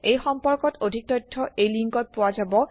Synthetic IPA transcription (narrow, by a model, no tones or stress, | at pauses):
ejxɔmpɔɹkɔtodʱik̚tɔjtʰːɔejliŋkɔt̚pʊwazabɔ